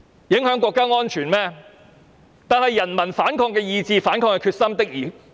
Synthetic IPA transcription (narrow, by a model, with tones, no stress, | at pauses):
jɪ˨˥ŋɦœː˨˥ŋkʷɔː˧˥kːaː˥ŋɔː˥nt͡ʃʰyː˨˩nmɛː˥ | t̪aː˨˩nhɐ˨jːɐ˨˩nmɐ˨˩nfaː˨˥nkʰɔː˧ŋkɛː˧jiː˨˧t͡siː˧faː˨˥nkʰɔː˧ŋkɐ˧kʰyː˧t̚sɐ˥mt̪ɪ˥k̚jiː˨˩